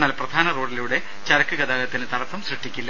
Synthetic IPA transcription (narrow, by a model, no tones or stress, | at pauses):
nːaːlprɐd̪ʱaːnɐro̞ːɖiluɽe̞ | t͡ɕɐɾɐkːɨɣɐd̪aːlɐt̪ːinɨt̪ɐɽɐt̪ːɐmsriʈʰːikʲːilːɐ